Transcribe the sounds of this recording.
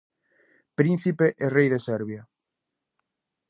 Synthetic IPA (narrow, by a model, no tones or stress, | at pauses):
pɾin̟θipeʔerejðesɛɾβja